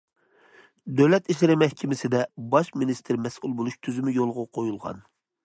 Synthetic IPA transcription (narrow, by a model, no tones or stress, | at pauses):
d̪ølɛt̪iʃlɪɾɪmɛhkʲʰɪmɪsɪd̪ɛbɑʃminist̪ʰɪɾmɛsʔulˠbolˠuʃt̪ʰyzymɪjolˠʁʊqʰojulˠʁɑ̰n